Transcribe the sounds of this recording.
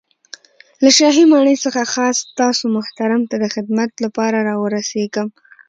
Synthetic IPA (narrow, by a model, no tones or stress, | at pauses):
laʃɑɦimɑɳəjsəxaxɑst̪ɑsomʊht̪aɾamt̪ad̪əxɪd̪mat̪lapɑɾaɾɑwəɾaseɡəm